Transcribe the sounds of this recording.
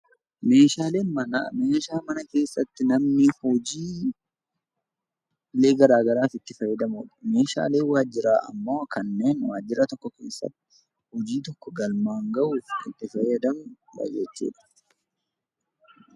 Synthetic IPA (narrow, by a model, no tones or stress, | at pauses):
me̞ːʃaːleːmɐmeːʃaːmɐnɐke̞ːsːɐt̪ːɪnɐmnɪhɔd͡ʒiː | le̞ːɡɐɾaːɡɐɾaːfɪt̪ːɪfɐjːɐd̪ɐmuᶑɐ̥me̞ːʃa̰ːle̞ːwaːd͡ʒːɪɾaːɐ̰mːoːkɐnːe̞ːnwaːd͡ʒːɪɾɐt̪ɔkːɔke̞ːsːɐ̰t̪ːɪ̥ | hɔd͡ʒiːt̪ɔkːɔɡɐlmaːŋɡɐʔuːfɪt̪ːɪfɐjɐd̪ɐmʊbɐ̰jɛt͡ʃːḛːᶑɐ̥